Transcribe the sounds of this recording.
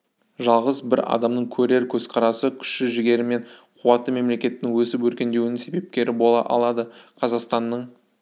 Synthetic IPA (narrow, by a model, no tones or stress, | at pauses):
ʒɑlˠʁəzbɪɾɑ̰d̪ɑmnəɴkʲʰɵɾe̞ɾkʲʰɵzqʰɑɾɑsəkʲʰʏ̥ʃɪʒɪɡʲe̞ɾɪme̞nqʰuwɑt̪ːəme̞mle̞kʲe̞t̪ːɪŋwɵsɪpwɵɾkʲe̞nd̪ewnɪŋse̞be̞p̚kʲe̞ɾɪbo̞lˠɑ̰ʔɑ̰lˠɑd̪əqʰɑzɑqst̪ɑnːəɴ